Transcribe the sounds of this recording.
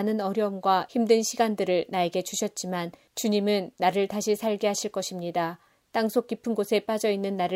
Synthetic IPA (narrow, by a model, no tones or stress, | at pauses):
nɯnʌɾjʌmɡwaçimdwenɕʰiɡandɯɾɯɭnae̞ɡe̞t͡ɕuɕʰʌt̚t͡ɕ͈iman | t͡ɕuɲimɯnːaɾɯɭtaɕʰisʰaɭɡeɦaɕʰiɭk͈ʌɕʰimɲida | t͈aŋsʰok͈ipʰɯnɡosʰe̞p͈ad͡ʑʌinːɯnːaɾɯ